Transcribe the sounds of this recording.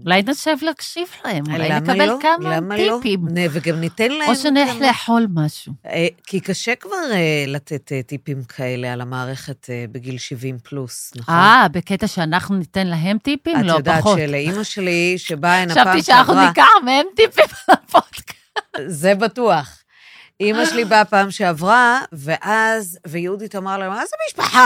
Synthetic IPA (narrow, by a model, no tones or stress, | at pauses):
ulajneʃevlaːkʃivlae̞mlulajnemkaelkamamaipimnveɡamnit̪enlaoʃenħleħo̞lmaʃuekikaʃekvaʁelat̪et̪etːipimkʰaelealamaːʁeχetebeɡilʃivimplusnaχabeket̪aʃeanaχnunitenlaɦe̞mtipimmlood̪aoʃeleimaʃeliʃebaenaʃaviʃeanaχnunikaħmeemtipimlapod̥kazebatuaχ | imaʃelibapaːmʃeavʁaveʔazvejudit̪omaʁlahemazemiʃpaħa